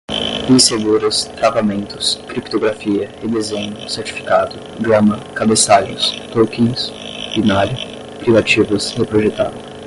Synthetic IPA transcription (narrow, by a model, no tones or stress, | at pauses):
bĩseɡuɾɐst̪ɾavamẽnt̪ʊ̥skɾipt̪oɡɾafiɐid̪ezẽɲʊseɾt͡ʃi̥fi̥kad̪ʊ | ɡɾɐ̃mɐkabesaʎḛ̃jst̪okĩʊs | binaɾʊ | pɾivat͡ʃivɐshepɾoʒet̪a̰d̪ʊ